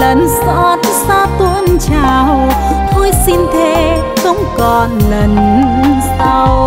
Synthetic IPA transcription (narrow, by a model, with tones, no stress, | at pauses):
lə˨˩nsɔ˧˦t̚saː˧t̪wə˧˦nt͡ɕaː˨˩wt̪o˧jsi˧nt̪ʰe˧˦ | xə˧˦wŋ͡mkɔ˨˩nlə˨˩nsa˧w